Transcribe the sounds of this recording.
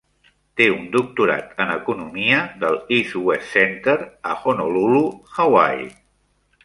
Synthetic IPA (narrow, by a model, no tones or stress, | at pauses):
t̪eund̪uk̚t̪uɾa̰t̪ənəkunumiəðəlisuɛssɛnt̪əɾəxonoluluxawa̰j